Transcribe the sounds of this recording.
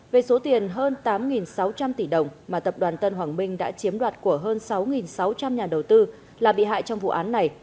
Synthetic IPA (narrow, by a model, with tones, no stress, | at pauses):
ve˨˩so˨˦t̪i˨˩ənɦəː˧nt̪aː˨˦mŋi˨˩nsa˨˦wt͡ɕa˧mt̪i˧˩ɗə˨˩wŋ͡mmaː˨˩t̪ə˨˩p̚ɗwaː˨˩nt̪ə˧nɦwaː˨˩ŋmï˧ŋ̟ɗa̰ː˧˥t͡ɕi˨˦əmɗwaː˨˩t̚ku˧˩əɦəː˧nsa˨˦wŋi˨˩nsa˨˦wt͡ɕa˧mɲaː˨˩ɗə˨˩wt̪ɨ˧ | laː˨˩ɓḭ˧˨ɦa̰ː˧˨jt͡ɕɔ˧wŋ͡mvṵ˧˨ʔaː˨˦nːa˨˩j